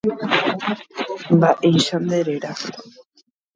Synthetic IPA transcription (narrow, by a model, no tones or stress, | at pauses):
mbaʔejʃand̪eɾeɾa